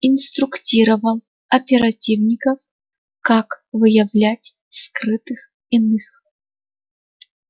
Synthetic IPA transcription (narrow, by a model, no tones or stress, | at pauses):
ɪnst̪ɾʊktʲiɾəvɐlˠ | ɐpʲɪɾɐtʲivnʲɪkəf | kakvɨjɐvlʲætʲ | skrɨt̪ɨx | ɪnɨx